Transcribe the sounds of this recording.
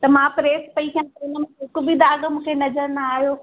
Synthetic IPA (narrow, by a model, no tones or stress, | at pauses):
t̪ɐmãːpɾeːspɐiɦijãt̪ɐʊnəmẽʊkʊ̆bid̪aːɠmũːkʰenɐzəɾnaaːɦijoː